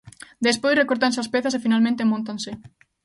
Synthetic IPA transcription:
d̪espojsrekoɾt̪anseaspɛθasefinalmẽnt̪emõnt̪ansɪ

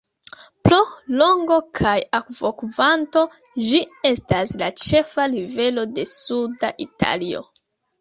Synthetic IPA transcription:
pɾo̞lo̞ŋɡo̞kʰajakv̥o̞kvanto̞ | d͡ʒie̞staslat͡ʃe̞falive̞lo̞de̞suda̰ʔitʰa̰lio̰

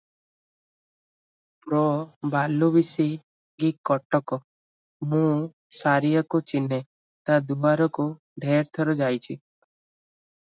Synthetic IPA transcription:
pɾɔbalubisi | ɡikːɔʈɔkɔ | mũ | saɾijɔkut͡ʃine | t̪ad̪uaɾɔku | ɖʱeɾt̪ʰɔɾɔd͡ʒajt͡ʃʰi

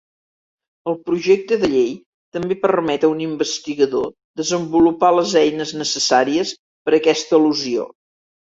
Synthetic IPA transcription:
əlˠpɾuʒek̚t̪əðəʎej | t̪əmbepərmɛt̪əunimbəst̪iɣəðo̰ | ðəzəmbulupaləzɛjnəznəsəsaɾiəs | pəɾəkɛst̪əiluzio̰

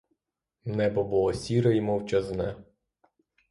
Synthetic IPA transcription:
nɛbɔbulˠɔsʲiɾɐimɔwt͡ʃɐznɛ

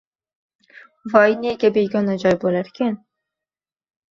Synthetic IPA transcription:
vɑːjineːkʲɛbeːɡɑnɑd͡ʒɑːjbolɛɾkʰɛn

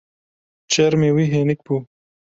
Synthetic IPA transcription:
t͡ʃeɾmewiɦenɪk̚pu

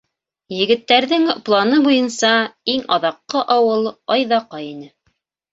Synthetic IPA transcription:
jɘ̆ɡɘ̆t̪ːæɾðɘŋplˠɑnɤbujɤnsɑiŋɑðɑqːɤʔɑwɤlˠɑjðɑqɑjinɘ

